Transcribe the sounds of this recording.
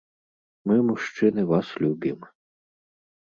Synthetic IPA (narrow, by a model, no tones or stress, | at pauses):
mɨmuʂt͡ʂɨnɨvaslʲubʲim